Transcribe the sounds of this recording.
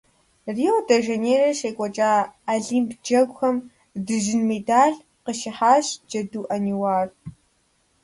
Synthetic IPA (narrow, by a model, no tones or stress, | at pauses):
riːodɐʒeneːrɐʃeːkʷʼɔt͡ʃʼaːɮiːmpʰd͡ʒɐɡʷxɐm | dɨʒɪnmedaːɮ | qəʃɪħaːɕd͡ʒɐduːʔɐniwaːr